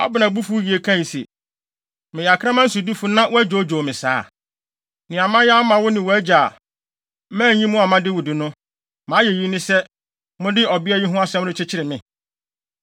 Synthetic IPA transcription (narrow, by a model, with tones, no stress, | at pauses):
ɔ̰˦bɪ˨nã˨bu˦fu˦ji˨e˨kʰã˦˨ji˨sḛ˨ | mɪ̃˨ja˨kʰã˦mã˦n̩˦su˨di˦fu˦nã˦wʊ˦æ˦d͡ʑo˨˦d͡ʑo˨mɪ̃˨saː˦ | nɪ̃˨a˨mã˦jɛ˦a˦mã˨wʊ˦nɪ̃˨wɔ˨æ˦d͡ʑa˨˦ | mãː˦˨˦ɲĩ˦mʊ̃˦a˨mã˦dɪ˦wʊ˨dɪ˨nʊ̃˦ | mãː˨˦je˨ji˦nɪ̃˦sɛ˦ | mʊ̃˦dɪ˦ɔ˨bɪ˦ɛ˦ji˦ɦʊ̃˦a˦sɛ̃˦mʊ̃˦ɪ̃˦t͡ɕʰɪ˦t͡ɕʰɪ˦ɾɪ˨mɪ̃˨